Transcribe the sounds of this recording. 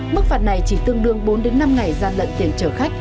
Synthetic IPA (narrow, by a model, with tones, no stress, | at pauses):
mɨ˦˥k̚faː˨˩t̚na˨˩jt͡ɕi˧˩t̪ɨ˧əŋɗɨ˨˧əŋɓo˨˦nɗe˨˦nːa˧mŋa˨˩jzaː˧˩nlə̰˧˨nt̪i˧˩ənt͡ɕəː˧˩xa˦˥jk̚